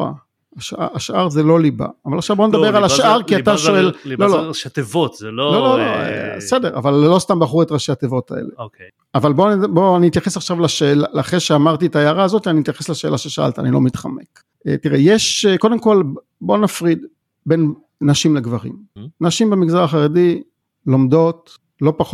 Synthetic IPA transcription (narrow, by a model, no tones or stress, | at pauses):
a̰ | aʃa̰aʃʔaʁzelo̞liba̰ːvalaχʃavboned̪abeʁalaʃʔaʁkiat̪aʃoello̞lot̪evot̪zelolololoḛsede̞ʁa̰valːo̞st̪ambaχuʁet̪ʁaʃeat̪evo̞tʰaḛlḛoke | avalbo̞anboaniit̪jaχesaχʃavlaʃeːlaaχʁeʃeamaʁtietajaʁaːzot̪ianiit̪jaχeslaʃe̞lʔaʃeʃaʔa̰lt̪a̰nilo̰mit̪χa̰mek | ḛtiʁejeʃko̞demko̞l | bo̞nafʁid̪ | be̞n | naʃimleɡvaʁḭmnaʃimbemiɡzaʁaχaʁedi | lo̞mdo̞t | lo̞paχ